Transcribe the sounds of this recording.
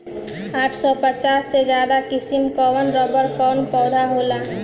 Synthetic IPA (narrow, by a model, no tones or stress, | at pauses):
aːʈʰsɔpət͡ʃaːsːed͡ʒjaːd̪akɪsimkɔʋənɾɔbəɾkɔːnpɔːd̪ʱaɦoːla